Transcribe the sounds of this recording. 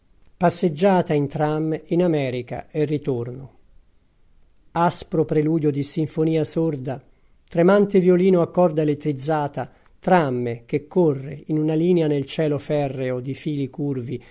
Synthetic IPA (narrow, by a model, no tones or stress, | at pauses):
pasːed͡ʒːaːt̪aint̪ɾamːinamɛːɾika̰ɛrːit̪orno | aspɾopɾeluːd̪jod̪isiɱfoniːasord̪a | t̪ɾemant̪evjoliːnoakːɔrd̪aelet̪ːɾid̪zːaːt̪a | t̪ɾamːek̟ekːorːḛinunaliːneanelt͡ʃɛːlofɛrːeod̪ifiːlikurvi